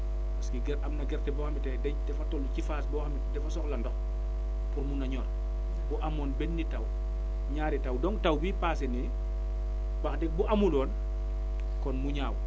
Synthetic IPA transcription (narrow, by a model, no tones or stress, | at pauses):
paskiɡɛɾʔamnaɡɛɾtɛbɔhamitɛdɛdɛfatɔlucifaːsbɔhamidɛfasɔklandɔx | puɾmunaɲɔːɾ | bɔʔamɔːnbɛnːitaw | ɲaːɾitawdɔŋtawbipaːsini | baxdɛk̚buʔamulɔːn | kɔnmuɲaːw